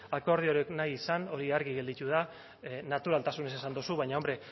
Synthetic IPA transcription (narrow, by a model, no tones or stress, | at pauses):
ako̞ɾð̞ioɾeknajisano̞ɾiaɾɣiɣe̞ld̪it̪uð̞a | nat̪uɾalt̪asune̞sesand̪osuβajɲao̞mbɾe̞